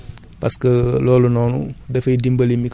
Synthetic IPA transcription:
paskəloːlunoːnṵdefɐidimbɐlimik

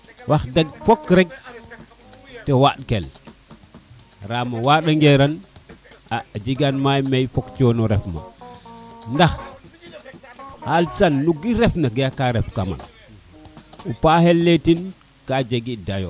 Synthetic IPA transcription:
wʔaxdeɡ̚fokɾek̚ | tewaɗkel | ɾamawaɗaŋɡeɾan | ad͡ʒiɡanmajmejfokt͡ʃonuɾɛfma̰ | ndax | halsanːuɡiɾefnaɡijakaɾefkama̰n | upahelːetin | kad͡ʒeɡidajo̰

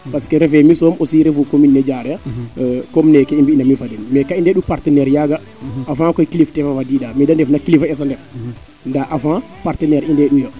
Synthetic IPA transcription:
paskɛɾɛfɛmisɔmɔsiɾɛfukominːɛd͡ʒaɾɛ | kɔmnɛkɛimbindaminfadɛmmɛkaindɛɗupaɾtɛnɛɾjaɡa | afãkɔjkiliftɛfawadiɗamidandɛfnakilifaɛs̬andɛf | ndaʔafã | paɾtɛnɛɾindɛɗujɔ

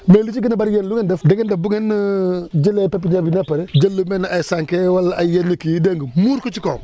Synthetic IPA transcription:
melut͡ʃiɡinabaɾjenluŋendɛfdeɡendabuŋen | d͡ʒilepep̬iɲabinapaɾed͡ʒɐlːumenasaŋkewalajenːikijideŋɡumuɾkot͡ʃiko

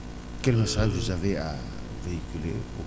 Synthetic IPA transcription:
kɛlmasaʒvuzavea̰ | veikʲylḛu

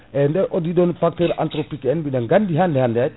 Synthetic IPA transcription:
ɛndɛʔɔdidɔnpak̚tɛɾa̰ntɾɔpikɛnbidaŋɡandiɦandɛɦandɛat̚

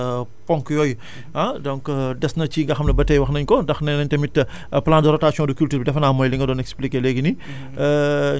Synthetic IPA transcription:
pɔŋkjɔj | adɔŋkdɛsnɐt͡ʃiŋɡɐxɐmnɐbɐtːɛjwɐxnɐɲkɔdɐxnɐnɐɲtɐmitː | plaːndəɾɔtaːsjɔ̃ndukultuɾbidɛfɐnaːmɔːjliŋɡɐdɔːnɛksplikelɛɡini

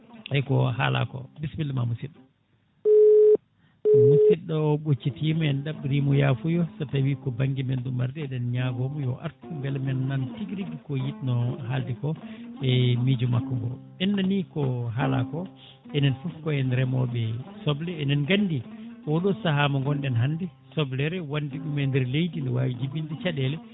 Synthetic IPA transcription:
ɛkɔɦa̰la̰kɔ̰bisbilmamusiɗɔ | musiɗɔɓot͡ʃːitimɔɛnɗaɓɾimɔjafujɔsatawikɔbaŋɡimendumaɾdɛɛɗɛnɲaɡɔmjɔ̰ʔa̰ɾtuŋɡalmɛnːantiɡɾiɡikɔjitnɔɦaldikɔɛmid͡ʒumakːɔŋɡɔ̰ | ɛnːanikɔɦala̰kɔ | ɛnɛnfufkɔɛndɛɾɛmɔ̰ɓɛsɔblɛːnɛnɡandiɔɗɔsahamɔŋɡɔnɗɛnɦandɛsɔblɛɾɛwandiɗumɛndɛɾlejdindɛwa̰wid͡ʒibindɛt͡ʃaɗɛlɛ

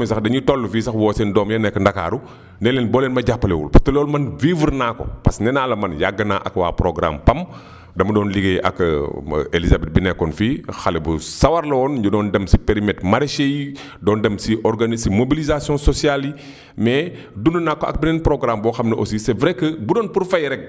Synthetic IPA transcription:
sɐxdɐɲitɔlːufisɐxwɔːsɛndɔːmjɐnɛkːəndaka̰ɾu | nɛlɛnbɔːlɛnmɐɟapːɐlewṵlpɐtɐloːlmɐnvivəɾnaːko̰pɐsnɛnaːlɐmɐnjaɡːənaːʔɐ̰kwa̰ːpɾoɡɾa̰mpɐm | dɐmɐdɔːnliɡeʔɐ̰k | elizabɛt̚binɛkːɔnfixɐlɛbusɐwɐɾlɔːnɟudɔːndɐmsipeɾimɛtmaɾeʃeji | dɔːndɐmsiʔɔɾɡanisimobilizasijɔ̃sosialji | mɛ | dununaːkːoɐ̰k̚binɛnpɾoɡɾambɔxɐmnɐʔosisɛvɾɛkːəbudɔnpuɾfɐjɾɛk̚

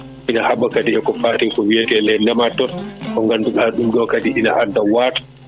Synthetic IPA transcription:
inahaɓakadiɛkɔfaːtɛkɔwijatɛlɛnɛmatːɔkɔŋɡanduɗaɗumɗɔkadiʔina̰ʔadːawaːtḁ

